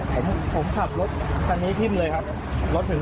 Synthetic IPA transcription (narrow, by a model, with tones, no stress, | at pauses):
pʰo˩˦mpʰo˩˦mkʰa˨˩p̚lo˦˥t̪̚kʰa˧nːiː˦˥t̪ʰi˥˩mləː˧jkʰa˦˥p̚ | lo˦˥t̪̚nʰɯ˨˩˦